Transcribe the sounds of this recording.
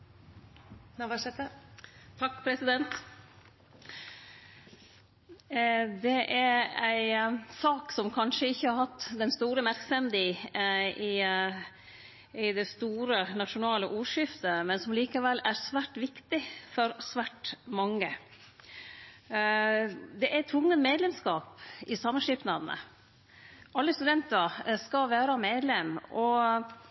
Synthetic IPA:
nɑʋɑʂɛt̪ət̪ʰɑkːpʰɾɛsɪd̪ɛnt̪ | d̪ɛʔæɾæɪsɑːksɔmkʰɑnʂəɪçːəhɑɾhɑt̪ːd̪ɛnst̪uːɾəmæɾksɛmd̪iː | ɪ | ɪd̪ɛst̪uːɾənɑʃʂʊnɑːləʔuːɾʂɪft̪əmɛnsɔmliːkɑʋɛlːæɾsʋæːʈʋɪkt̪ɪfɔɾsʋæːʈmɑŋːə | d̪ɛʔæt̪ʰʋʊŋːənmeːd̪lɛmskɑːpɪsɑmːənʂɪpnɑd̪ənə̰ | ʔɑlːəst̪ʉd̪ɛnt̪əɾskɑʋæːɾɑmeːd̪lɛmɔ

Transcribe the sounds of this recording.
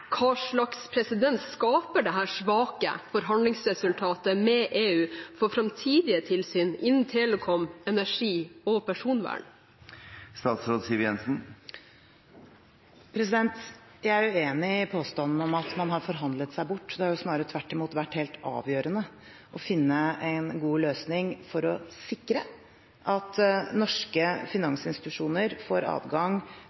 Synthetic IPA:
kʰɑːʂɭɑkspʰɾɛsɪd̪ɛnt̪skɑːpəɖɛɦæːʂʋɑːkə̰fɔɾɦɑnlɪŋsɾɛsʉlt̪ʰɑːt̪əmɛʔeːʉːfɔɾfɾɑmt̪ʰiːd̪ɪət̪ʰɪlsyːnɪnnt̪ʰeːləkʰɔmɛnæʂiːɔpʰæʂuːnʋæ̰ːɳ | st̪ɑːt̪sɾoːd̪siːʋjɛnsn̩ | pʰɾɛs̬ɪd̪ɛnt̪ | jæɪæɾʉeːnɪɪpʰoːst̪ɑnn̩ɔmɑt̪mɑnɦɑɾfɔɾɦɑnd̪lət̪sæɪbʊʈːd̪ɛhɑɾjʊsnɑːɾəɾət̪ʰʋæʈːɪmuːt̪ʋæʈːheːlt̪ɑ̰ːʋjøːɾənə | ʔɔfɪnːəʔæɪnɡuːløːsnɪŋfɔɾɔsɪkːɾə | ʔɑt̪nɔʂkəfɪnɑŋsɪnst̪ɪ̥t̪ʉʂuːnəɾfoːɾɑ̰ːʋɡɑŋ

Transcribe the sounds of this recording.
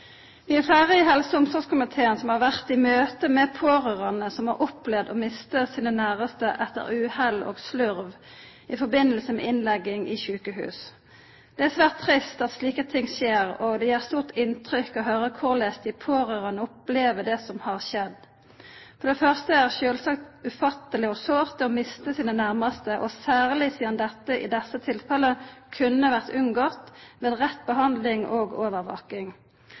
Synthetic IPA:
ʋɪæɾfæːʁəɪɦɛlsəʊmsɔʁskʰʊmɪt̪ʰeːənsɔmhɑʁʋæʁt̪ɪmøːt̪əmɛpʰoːʁəʁɑnəsɔmhɑɾʔʊplɛʋd̪omɪst̪əsiːnənæːʁəst̪əʔɛt̪ːə̰ɾʉːhɛlo̰ːɡslʉɾʋ | ɪfɔɾbɪnːəlsəmɛ̰ʔɪnlɛɡːɪŋḭçʉːkəhʉ̰ːs | d̪̥ɛæsʋæːʁt̪ʰːʁɪst̪ɑt̪sliːkət̪ʰɪŋseːɾɔɡd̪ɛjæːʁst̪uːʁt̪ɪnt̪ʁʏkɔɦøːɾəkʰʊʁleːst̪ɪpʰoːʁøːʁənəʊpleːʋəd̪ɛsɔmhɑʁʃɛd̪ | fɔʁd̪ɛfœʁst̪əæʁʃøːlsɑkt̪ʉfɑt̪əlɪɔsoːʁt̪əɔːmɪst̪əsiːnənæʁməst̪əʔɔsæːʁlɪsiːd̪ɑnd̪ɛt̪ːəʔɪ̰d̪ɛsːət̪ʰɪlfɛləkʰʉnːəʋæʁt̪ʉnɡot̪meːd̪ʁɛt̪bəɦɑnd̪lɪŋoɡoːʋəʁʋo̰ːkɪŋ

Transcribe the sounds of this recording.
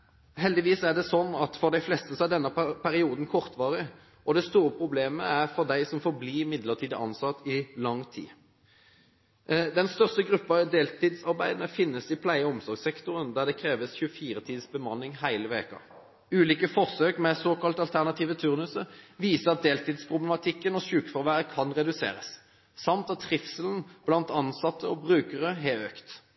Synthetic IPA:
ɦɛld̪ɪʋiːsæʁɖ̪ɛsɔnːɑt̪fɔʁd̪æɪflɛst̪əsɔæd̪ɛnːəpʰæɾɪuːd̪n̩kʰɔʁt̪ʋɑːʁɪ | ʔɔd̪ɛst̪uːɾəpʰʁʊbleːməæʁfɔʁd̪æɪsɔmfɔɾbliːɪmɪd̪ləʁt̪ʰiːd̪əʔɑ̰nsɑt̪ːɪlɑŋːt̪ʰḭː | d̪ɛnst̪œʁst̪əɡɾʉpːɑd̪eːlt̪iːd̪sɑɾbæɪd̪ənəfɪnːəsɪpʰlæɪəɔmsɔɾɡsɛkt̪ʊʁənd̪æʁd̪ɛkʰɾeːʋəsçʉəfiːɾət̪ʰiːd̪əsbəmɑnːɪŋhæɪləʋḛːkɑ̰ | ʉːliːkəfɔʁsøːkmɛsoːkɑlt̪ɑlt̪ʰæʁnɑt̪ʰiːʋət̪ʰʉʁnʉsəʋiːsəɑt̪̚d̪eːlt̪iːd̪spʰʁʊblɛmɑt̪ʰɪkːənɔɕʉːkfɔʁʋæːʁəkʰɑnʁɛd̪ʉsḛːɾə̰s | sɑmt̪ɑt̪ʰːʁɪfsəln̩b̥lɑnt̪ɑnsɑt̪ːəɔbʁʉːkəʁəɦɛøːkt̪

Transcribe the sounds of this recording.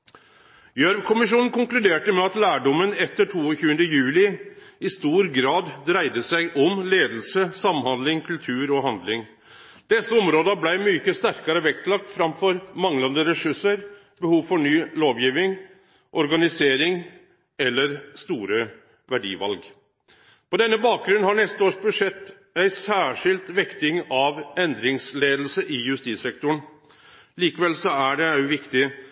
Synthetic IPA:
jøɾʋkʰʊmɪʂuːnn̩kʊŋklʉd̪eːʈəmɛɑt̪læːɖɔmːənɛt̪ːəʈʰuːɔçʉːənd̪əjʉːlɪɪst̪uːɾɡɾɑːd̪d̪ɾæɪd̪əsæɪʔɔmleːd̪l̩səsɑmːhɑnd̪lɪŋkʰʉlt̪ʰʉːɾɔɦɑnd̪lɪŋ | d̪̥ɛsːəɔmɾoːd̪ɑblæɪmyːçəst̪æɾkɑɾəʋɛkt̪lɑk̚t̪fɾɑmfɔɾmɑŋlɑnd̪əɾɛʂʉʂəɾ | bəhuːʋfɔɳyːloːʋjiːʋɪŋ | ʔɔɾɡɑnɪseːɾɪŋ | ɛlːəɾst̪uːɾə | ʋæɖḭːʋɑ̰lɡ | pɔd̪ɛnːəbɑːk̚ɡɾʉnːhɑɳɛst̪əoːʂbʉʂɛt̪ː | æɪsæːʂɪlt̪ʋɛkt̪ɪŋɑʋɛnd̪ɾɪŋsleːd̪l̩səʔɪjʉst̪iːsɛk̚t̪ʊɳ | liːkəʋɛlsɔæɖɛɑʉʋɪkt̪ɪ

